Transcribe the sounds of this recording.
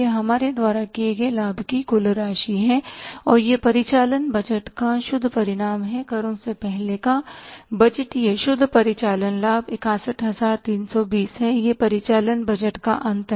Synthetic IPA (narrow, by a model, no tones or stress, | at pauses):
eɦɐmaːɾed̪waːɾakieɡelaːbʱkikʊlɾaːʃiɦɛɔːɾjepɐɾɪt͡ʃaːlənbɐd͡ʒəʈkaʃʊd̪ʱpɐɾɪɽaːmɦɛkɐɾõsepɛɦlekabɐd͡ʒəʈjeʃʊd̪ʱːpɐɾɪt͡ʃaːlənlaːbɪkãːsəʈɦɐzaːɾt̪iːnsɔbiːsɦɛjepɐɾɪt͡ʃaːlənbɐd͡ʒəʈka̰ʔɐ̃nt̪ə